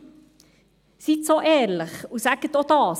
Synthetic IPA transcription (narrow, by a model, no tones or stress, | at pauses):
sit̪soʔɛːɾləχusæɡ̥ət̪od̪ɑːs